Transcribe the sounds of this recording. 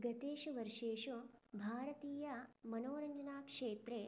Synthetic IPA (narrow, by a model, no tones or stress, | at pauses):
ɡɐt̪eːʃuʋɐɾʂeːʃubʱaːɾɐt̪iːjɐmɐnoːɾɐɲd͡ʒɐnaːkʂeːt̪ɾe